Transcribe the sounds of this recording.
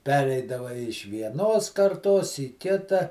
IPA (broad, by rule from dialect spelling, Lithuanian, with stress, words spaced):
ˈpʲæːrʲɛɪdɐʋɐ ɪʃ ʋʲiɛˈnoːs kɐrˈtoːs iː ˈkʲɪtɐ